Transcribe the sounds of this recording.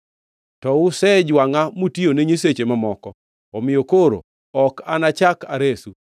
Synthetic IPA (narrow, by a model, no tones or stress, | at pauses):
tɔʊsɛd͡ʒwaŋamutioneɲeset͡ʃemamɔkɔ | ɔmɪjokoɾo̰ | ɔkanat͡ʃakaɾesu